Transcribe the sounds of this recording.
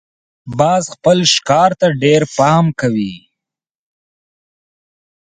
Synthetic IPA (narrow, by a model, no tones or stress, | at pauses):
bɑzxpəlʃkɑɾt̪aɖeɾpɑmkawi